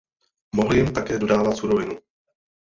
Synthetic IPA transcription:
moɦl̩jɪmt̪akɛːdo̞daːvat̪suɾovɪnu

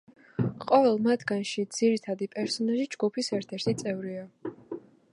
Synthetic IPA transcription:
qʼɔvɛlˠmat̪ʰɡanʃid̪z̥iɾit̪ʰad̪ipʼɛɾsɔnaʒid͡ʒɡupʰisɛɾt̪ʰɛɾt̪ʰit̪sʼɛvɾia

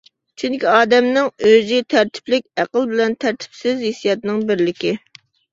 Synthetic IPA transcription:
t͡ʃʰyŋkʲiɑːd̪ɛmnɪŋøzit̪ʰæɾt̪ʰɪ̥plɪk̚ʲæqəlˠbɪlɛnt̪ʰæɾt̪ʰɪ̥psɪzesjɑt̪nɨŋbɪɾlɪkʲɪ

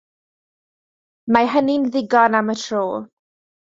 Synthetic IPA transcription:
maɦəninðɪɡɔnamətʰroː

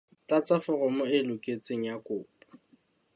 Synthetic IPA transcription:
t͡ɬat͡sʼafʊrʊmʊɪlʊkʼet͡sʼeŋ̩jakʼʊːpʼḁ

